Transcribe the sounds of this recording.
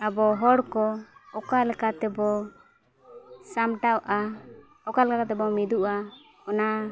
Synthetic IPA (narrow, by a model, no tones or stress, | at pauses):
abɔɦɔɽkɔɔkalɛkat̪ɛbɔ | samʈawʔa | ɔkalɛkakat̪ɛbɔmid̪uʔa | ɔna